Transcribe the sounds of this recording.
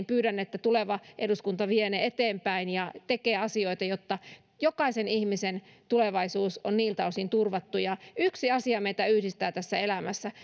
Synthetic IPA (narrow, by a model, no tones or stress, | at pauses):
mpyːɾænːet̪ːæt̪uleʋɑʔeduskunt̪ɑʋieneet̪eːmpæinjɑt̪ekeːɑsioit̪ɑjot̪ːɑ | jokɑisenihmisen | t̪uleʋɑisuːsonniːlt̪ɑusint̪urʋɑt̪ːujɑyksiɑsiɑmeit̪æyhdist̪æːt̪æsːæelæmæsːæ